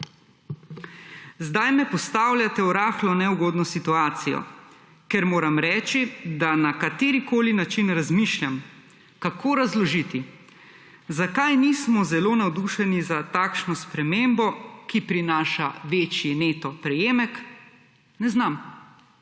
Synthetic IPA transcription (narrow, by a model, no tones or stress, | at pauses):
zd̪ajmɛpɔst̪aːwljat̪ɛɔɾaːxlɔnɛwɡoːd̪nɔsit̪uaːt̪sijɔ̰ | kɛɾmoːɾamɾɛːt͡ʃid̪anakat̪eːɾikoːlinat͡ʃinɾazmiʃlʲjam | kakʰoːɾazlɔʒit̪i | zakajnismɔzɛlonawd̪uʃɛnizat̪aːkʃnɔspɾɛmembɔkipɾinaːʃaʋeːt͡ʃjineːt̪ɔpɾɛjeːmɛk | nɛznam